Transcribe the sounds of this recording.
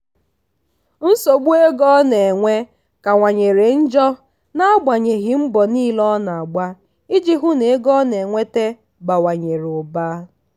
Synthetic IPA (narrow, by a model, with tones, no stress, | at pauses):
n̩˦so˨ɡ͡bu˦e˦ɡɔ˦ne˨ŋʷe˦ | ka˨ŋʷa˨ɲe˨ɾe˨n̩˦d͡ʒɔ˦ | na˦ɡ͡ba˨ɲe˨ɣi˨m̩˦bɔ˨niː˦lɔ˦na˨a˨ɡ͡ba˦ | i˦d͡ʒi˦ɦʊ˦ne˨˦ɡɔ˦ne˨ŋʷe˦te˦ | ba˨wa˨ɲe˨ɾʊ˨ba˦